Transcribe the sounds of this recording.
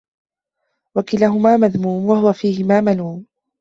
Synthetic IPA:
wakɪlaːɦʊmaːmaðmuːmwahʊwafiːhɪmaːmaluːm

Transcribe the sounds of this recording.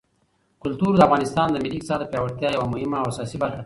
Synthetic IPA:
kʊlt̪uɾd̪əafɣɑnɪst̪ɑnd̪əmɪliksɑɾd̪əpjɑwaɽt̪jɑjawamʊhɪmaːwasɑsibaɾxa

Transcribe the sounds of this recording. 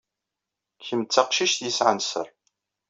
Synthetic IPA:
kːəmt͡sːaqʃiʃt̪jəsʕənsə̰ɾˤ

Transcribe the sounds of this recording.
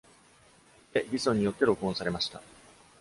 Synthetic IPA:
t̪e̞bʲisõ̞ɲ̟ːijo̞t̪ːe̞ɾo̞kɯõsaɾe̞maɕi̥t̪a̰

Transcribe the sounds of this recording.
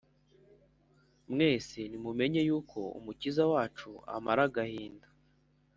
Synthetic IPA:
mŋe̞ːsinimume̞ɲe̞juːkʰo̞ṵmucizawaːt͡ʃua̰maɾaɡahiːndḁ

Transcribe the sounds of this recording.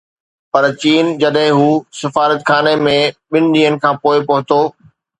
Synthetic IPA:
pɐɾt͡ɕiːnd͡ʑɐɗɦɪ̃ɦuːsɪfaːɾət̪xʰaːnemẽɓɪnɪ̆ɗ̪iːənɪ̆kʰãːpoːɪpɐɦʊt̪oː

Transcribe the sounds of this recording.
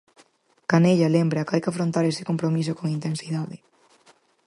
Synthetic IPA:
kaneʎalembɾakajkafɾont̪aɾesɪ̥kompɾomisokoŋint̪ẽnsiðaðɪ

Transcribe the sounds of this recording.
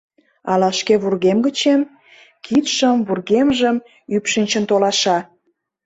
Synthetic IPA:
ɑlɑʃkeβurɣemɡət͡ɕem | kit̪ʃəmβurɣemʒəm | ypʃinʲt͡ɕə̆nt̪olɑʃɑ

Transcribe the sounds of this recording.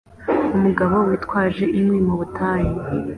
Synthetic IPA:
umuɡaβo̞witkwaːʒe̞ʔimwimuβutʰaːji

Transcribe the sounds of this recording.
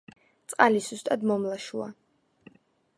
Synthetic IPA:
t̪sʼqʼalizust̪ʼad̪mɔmlaʃua̰

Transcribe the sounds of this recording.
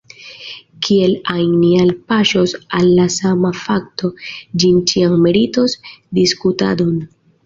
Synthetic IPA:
kʰie̞lajnialpaʃosalːasamafakto̞d͡ʒint͡ʃiaŋmeɾito̞sdiskuta̰don

